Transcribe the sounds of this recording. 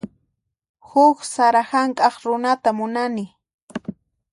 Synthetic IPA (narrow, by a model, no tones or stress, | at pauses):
hʊksaɾahaŋkʼɑχɾʊnat̪amʊnanɪ